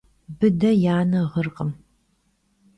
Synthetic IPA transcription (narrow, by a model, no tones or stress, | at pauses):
bɨdɐjaːnɐʁərqʼəm